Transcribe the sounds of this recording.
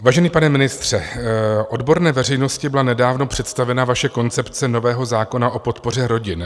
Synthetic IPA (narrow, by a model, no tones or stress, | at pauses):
vaːʒɛniːpanɛmɪnɪst̪r̝̥ɛʔo̞dbo̞ɾnɛːvɛr̝ɛjno̞scɪbɪlanɛdaːvno̞pr̝̥ɛt̪st̪avɛnavaʃɛko̞nt͡sɛpt͡sɛno̞vɛːɦo̞zaːko̞naʔo̞po̞t̪po̞r̝ɛɾo̞ɟɪn